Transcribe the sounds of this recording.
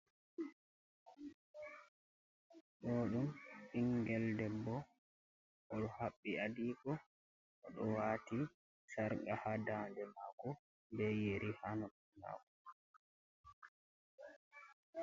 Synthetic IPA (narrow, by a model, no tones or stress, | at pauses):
ɗɔɗumiŋɡɛldɛbːɔ | ɔɗɔhaɓːiadiːkɔ | ʔɔɗɔwaːti | saɾɡahadandɛmaːkɔ | bɛjeɾʔihanɔ | ma̰ːkɔ̥